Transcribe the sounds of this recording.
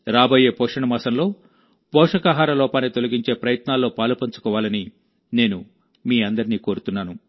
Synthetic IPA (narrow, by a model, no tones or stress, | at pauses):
ɾaːboːjeːpɔːʂɐɳɐmaːsɐmlo̞ː | pɔːʂɐkaːɦaːɾɐlɔːpaːnːit̪olɐɡiɲt͡ʃe̞ːpɾɐjɐt̪naːlːo̞ːpaːlupɐɲt͡ʃu̥kɔːʋaːlɐni | ne̞ːnu | miːɐnd̪ɐɾiniːko̞ːɾut̪unːaːnu